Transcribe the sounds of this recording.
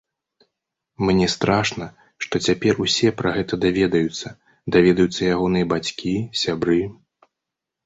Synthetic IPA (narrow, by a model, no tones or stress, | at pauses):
mnʲɛst̪ɾaʂnɐ | ʂt̪ɔt͡sʲapʲɛrusʲɛpɾɐɣɛt̪ɐd̪avʲɛd̪ɐjut̪sːɐ | d̪avʲɛd̪ɐjut̪sːɐjaɣɔnɨjɐbat͡sʲkʲisʲabɾɨ